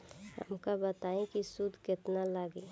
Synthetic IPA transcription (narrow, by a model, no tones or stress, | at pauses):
hə̰mkabət̪aẽkisud̪ʱkɪt̪nalaɡe